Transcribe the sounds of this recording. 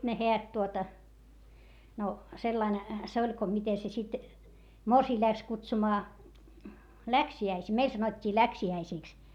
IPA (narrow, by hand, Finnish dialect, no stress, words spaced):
ne heæt tuotɑ no selːɑin se olʲ ko mite se sit morsiː læks kutsumɑː læksiæisiː meil sɑnotʲːiː læksiæisiˑks